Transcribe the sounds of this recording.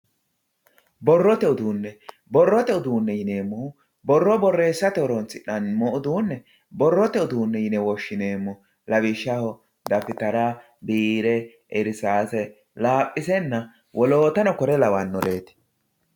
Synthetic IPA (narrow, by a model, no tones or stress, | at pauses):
bɔrːɔt̪ɛʊd̪uːnːɛ | bɔrːɔt̪ɛʊd̪uːnːɛjɪne̞ːmːɔ | bɔrːɔbɔrːe̞ːsːɐt̪ɛʊɾɔnt͡sːɪᶑɐnmɔʊd̪uːnːɛ | bɔrːɔt̪ɛʊd̪uːnːɛjɪnɛwɔʃːɪneːmːɔ | lɐβɪʃːɐhɔ | d̪ɐfɪt̪ɐɾɐ | biːɾɛ | ɛɾsaːsɛ | laːpʼːɪsɛnːɐ | wɔloːt̪ɐnɔkɔɾɛlɐwɐnːɔɾeːt̪ɪ̥